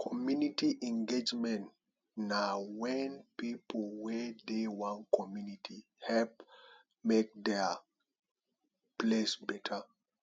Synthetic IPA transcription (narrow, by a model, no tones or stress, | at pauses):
kʰɔmjunitiʔɛ̃ŋɡed͡ʒmɛ̃nt | nawɛ̃npipolwɛdewãnkʰɔmjunitʰi | hɛlp | mek̚dɛ | plesbɛtʰə